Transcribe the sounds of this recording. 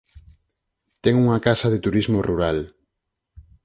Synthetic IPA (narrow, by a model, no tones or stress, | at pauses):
t̪ɛŋuŋakasɐðet̪uɾizmoruɾal